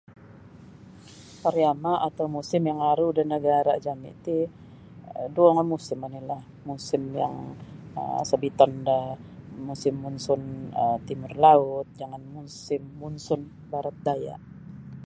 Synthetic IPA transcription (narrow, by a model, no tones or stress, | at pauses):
paɾjamaʔat̪awmusɪmjaŋaɾudanːəɡaɾa̰d͡ʒamḭt̪i | duaŋamusɪmanilah | musɪmja̰ŋə̰səbit̪ɔndamusɪmːunsʊnət̪imʊrlaʊt̪̚d͡ʒaŋanmusɪmːunsʊn | baɾat̪̚daja̰ʔ